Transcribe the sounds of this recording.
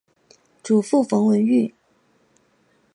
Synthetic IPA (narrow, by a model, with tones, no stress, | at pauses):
ʈ͡ʂu˨˩fu˥˩fɤ˧˥ŋwə˧˥ny˥˩